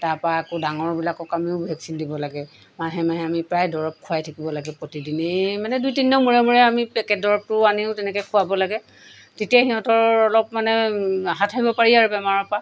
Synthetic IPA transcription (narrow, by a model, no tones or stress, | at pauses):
taɹpaakʊdaŋɔɹbilakɔkamiʊbʱɛksindibɔlaɡɛ | maɦɛmaɦɛamipɹajdɔɹɔp̚kʰʊajtʰakibɔlaɡɛpɹotidinemanɛdujtinːɔmuɹɛmuɹɛamipɛkɛt̚dɔɹɔp̚tʊaniʊtɛnɛkɛkʰʊabɔlaɡɛ | tetiaxiɦɔ̃tɔɹɔlɔpmanɛɦatʰaɦibɔpaɹiaɹubɛmaɹɔpa